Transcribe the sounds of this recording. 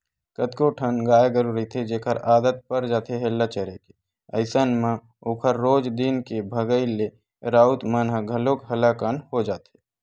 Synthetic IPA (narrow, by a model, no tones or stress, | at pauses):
kət̪koʈʰənɡaːjeɡəɾuɾit̪ʰed͡ʒeːkʰəɾaːd̪ət̪̚pəɾd͡ʒaːt̪eɦɛlːat͡ʃəɾeke | ə̰ɪsənmã | oːkʰəɾːoːd͡ʒd̪ɪnkebʱəɡəile | ɾaːʊt̪mənɦəɡʱəlokɦəlakaːnhod͡ʒaːt̪ɦe